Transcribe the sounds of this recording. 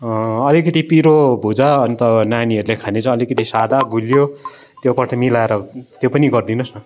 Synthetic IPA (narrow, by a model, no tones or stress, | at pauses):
ʌʌlikʌt̪ipiɾobʱud͡zaʌnt̪ʌnaniʌɾulekʰanet͡saĩʌlikʌt̪isad̪aɡʱuljo | t̪jopʌʈʰʌmilaeɾʌt̪jopʌniɡʌrd̪inʌsnʌ